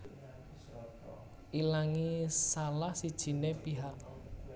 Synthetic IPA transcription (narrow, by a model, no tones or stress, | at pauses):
ʔilaŋisalahsid̥ʒ̥i̤nepiɦak̚